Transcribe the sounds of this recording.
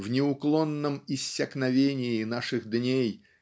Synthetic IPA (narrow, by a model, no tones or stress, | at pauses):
vnʲɪʊklˠonːəmɪsʲːɐknɐvʲenʲɪːnaʂɨɣd̪nʲej